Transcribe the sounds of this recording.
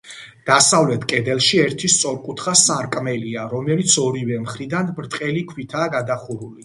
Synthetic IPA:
d̪̥asavlɛt̪ʰkʼɛd̪ɛlˠʃiɛɾt̪ʰist̪sʼɔɾkʼut̪ʰχasaɾkʼmɛliaɾɔmɛlit̪sʰɔɾivɛmχɾid̪anbɾt̪ʼqʼɛlikʰwit̪ʰaːɡad̪aχuɾuli

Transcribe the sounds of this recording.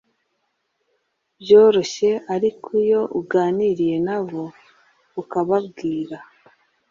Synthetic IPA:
bjo̞ːɾo̞ɕe̞aɾikʰujo̞ʔuɡaːniɾije̞naβo | ukaβabɡiːɾa

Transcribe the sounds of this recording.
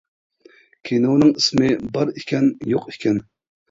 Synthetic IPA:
kʲʰinownɨŋismɪbɑɾikʲʰɛnjoqikʲʰɛn

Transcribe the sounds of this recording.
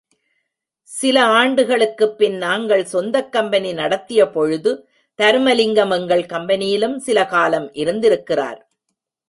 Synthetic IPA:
sɪlɐaːɳɖɯɣɐɭɯkːɯpːɪnnaːŋɡɐɭsɔnd̪ɐkːɐmbɐninɐɽɐt̪ːɪjɐpɔɻɯðɯ | t̪ɐɾɯmɐlɪŋɡɐmɛŋɡɐɭkɐmbɐnɪjɪlɯmsɪlɐkaːlɐmʔɪɾɯnd̪ɪɾɯkːɪra̰ːɾ

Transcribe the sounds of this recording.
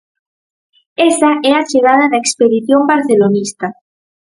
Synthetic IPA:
esaɛat͡ʃeɣað̞aðaekspeðiθjombaɾθelonist̪a

